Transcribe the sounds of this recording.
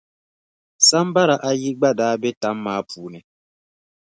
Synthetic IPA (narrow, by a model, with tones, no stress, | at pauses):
sa˦m̩˦ba˦ɾa˨ʔa˨ji˦ɡ͡ba˦daː˨˦be˦ta˨˦mː˦aː˨pu˨nɛ˨